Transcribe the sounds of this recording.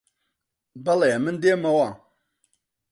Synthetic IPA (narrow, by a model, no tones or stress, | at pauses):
balajamɨn̩demawa